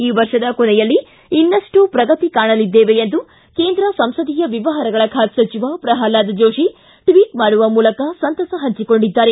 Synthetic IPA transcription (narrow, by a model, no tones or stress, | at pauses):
iːʋɐɾʂɐd̪ɐkonɛjɐlːi | inːɐʂʈupɾɐɡɐt̪ikaːɳɐlid̪ːeːʋeend̪u | ke̞ːnd̪ɾɐsɐmsɐd̪ijɐʋiʋɐɦɐɾɐɡɐɭɐkʰaːt̪sɐt͡ʃiʋapɾɐɦaːlaːd̪ɐd͡ʒo̞ːʂi | ʈʋiːʈmaːɽuʋɐmuːlɐkɐsɐnt̪ɐsɐɦɐɲt͡ʃiko̞ɳɖid̪ːaːɾe̞